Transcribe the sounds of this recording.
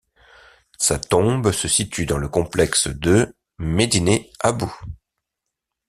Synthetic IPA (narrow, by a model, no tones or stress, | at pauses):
sat̪ɔ̃bsəsit̪yd̪ɑ̃ləkɔ̃plɛksd̪ə | med̪ineabu